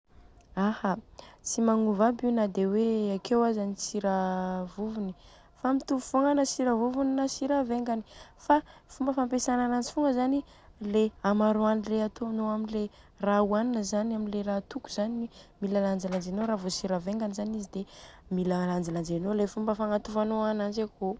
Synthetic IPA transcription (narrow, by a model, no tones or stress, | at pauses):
ahat͡simaŋuvabiunad̪eweakʰewazanit͡siɾavuvuni̥ | famit̪uvufoŋanəsiɾəvuvuninasiɾaveŋɡani̥fafumbəfampesananant͡si̥fuŋɡəzani | leamaɾuanileat̪oanoaminle | rauaninəzanaminlerat̪uku̥zaniimilaland͡ʒaland͡ʒenoɾavosiɾaveŋɡanizanizid̪emilaland͡ʒaland͡ʒenolefumbəfaŋat̪uvanoananzako